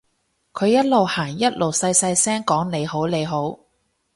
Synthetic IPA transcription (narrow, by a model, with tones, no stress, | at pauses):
kʰɵ˨˧jɐ˥t̚lo˨whaː˨˩ŋjɐ˥t̚lo˨wsɐ˧jsɐ˧jsɛː˥ŋkɔː˨˥ŋne˨˧jho˨˥wle˨˧jɦo˨˥w